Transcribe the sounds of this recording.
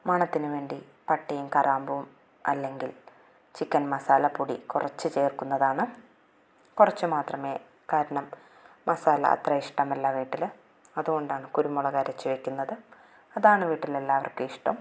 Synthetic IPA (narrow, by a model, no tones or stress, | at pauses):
mɐɳɐt̪ːinɨʋe̞ːɳɖi | pɐʈːijumkɐrʔaːmbuʋum | ɐ̰lːe̞ŋɡil | t͡ɕikʲːɐnmɐsaːlɐpuɽḭkurɐt͡ɕːɨt͡ɕe̞ːrkunːɐðaːɳɨ | kurɐt͡ɕːɨmaːt̪rɐme̞ː | kaːɾɐɳɐmː | ɐsaːlɐ̰ɐ̰t̪rɐiʂʈɐmɐlːɐʋiːʈːil | ɐðuɣo̞ɳɖaːɳɨkuɾumːuɭɐɣaːɾɐt͡ɕːɨʋekʲːunːɐðɨ | ɐðaːɳɨʋiːʈːilelːaːɐʋɐ̰rkɨiʂʈɐm